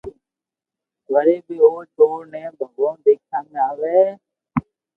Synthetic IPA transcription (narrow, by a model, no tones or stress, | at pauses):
ɡəɾeːbiːoːɾʈoːɾnẽːbʱəɡõːd̪eːk̚ʰãŋɡaːʋeː